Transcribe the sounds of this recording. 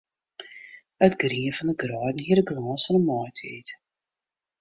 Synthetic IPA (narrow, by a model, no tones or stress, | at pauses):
ətɡriəvɑnəɡrɑːdn̩ɦiəɾəɡlɑːsfɑnəmɔtʰḛːt